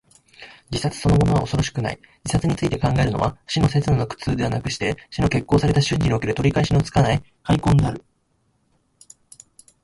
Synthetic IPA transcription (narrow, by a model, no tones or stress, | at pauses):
d͡ʑisat͡sɨ̥so̞no̞mo̞no̞β̞a̰oso̞ɾo̞ɕi̥kɯ̟na̰ḭ | d͡ʑisat͡sɨɲ̟it͡sɨit̪e̞kãŋɡae̞ɾɯ̟no̞̰βaɕino̞se̞t͡sɨnɨnokɯ̟̥t͡sɨːd̪e̞βanakɯ̟ɕi̥t̪e̞ɕino̞ke̞kːo̞ːsaɾe̞t̪aɕɨ̃ɲ̟ʲd͡ʑiɲʲio̞keɾɯ̟t̪oɾʲikaeɕino̞t͡sɨ̥kanai | haikõ̞nd̪e̞aɾɯ̟